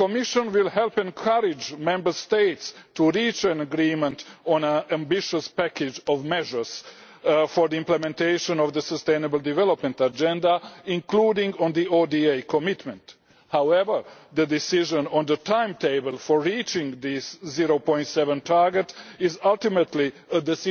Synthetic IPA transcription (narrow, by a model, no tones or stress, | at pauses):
komiʃɔ̃nwɪlˠhɛlˠpɛ̃nkʰaɾɪd͡ʒmɛ̃mbəɾst̪eɪtstuɾiːt͡ʃæ̃naɡɾiːmɛ̃nt̪ɔ̃næ̃nãmbiʃəspækɪd͡ʒɔʋmɛʒə˞s | fɔɾd̪iĩmplɛmɛ̃nt̪ejʃõnɔvd̪əsəst̪ẽnəbəlˠd̪ivɛlopmɛ̃ntad͡ʒɛ̃ndaĩnkluːdĩŋɡɔ̃nd̪iodiejkʰomitmɛ̃nt | hawɛʋə˞d̪əd̪ɪsiʒə̃nɔ̃nd̪ətʰãjmteɪbəlˠfɔɹːiːt͡ʃɪ̃ŋɡd̪ɪsːiɾopɔ̃jnt̪sɛʋə̃ntʰaɾɡɛtɪzalˠt̪imət̪liəd̪ɛs